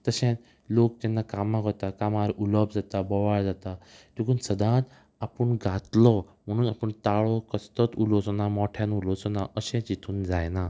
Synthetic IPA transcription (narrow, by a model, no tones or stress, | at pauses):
t̪əɕɛ̃t̪ | lok̚t̪ɛnːakamãkɔt̪akamaɾuləb̚d͡zat̪abɔʋaɭd͡zat̪at̪ikuːnsəd̪ʱãt̪ | apəɳɡʱat̪lɔm̤əɽ̃uːnapəɳt̪aɭɔkəst̪ət̪ulɔsɔnamɔʈʰjãnulɔsɔnaʔəɕẽt͡ɕit̪ʰuːnd͡zajna